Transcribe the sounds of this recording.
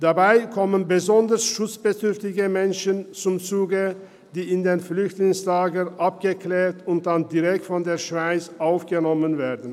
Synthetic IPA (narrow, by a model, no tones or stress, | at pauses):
d̥abaɪkʰɔmənbəzɔndəsʃʊt͡sb̥ədʏɐftɪɡəmɛnʃənt͡sʊmt͡suːɡə | d̥iːɪndeːnflʏçtlɪŋslaːɡənʔap̚ɡ̥əkleːtʊnt̚d̥andiʁɛk̚tfɔndeːɐʃv̥aɪt͡sʔaʊfɡ̥ənɔmənvɛːɐdn̩